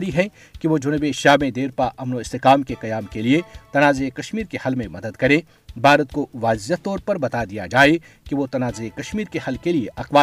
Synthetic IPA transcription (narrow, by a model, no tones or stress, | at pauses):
ɾiɦɛ̃ | kiʋod͡ʒʊnbeʃaːmẽd̪eːɾpaʔɐmnoɪst̪eqaːmkeqɐjaːmkeliet̪ɐnaːzeekɐʃmiːɾkehɐlmẽmɐd̪əd̪kɐɾẽ | bʱaːɾət̪koʋaːzjat̪ɔːɾpɐɾbɐt̪ad̪ija̰d͡ʒaːe | kiʋot̪ɐnaːzekɐʃmiːɾkehɐlkelieʔɐqʋaː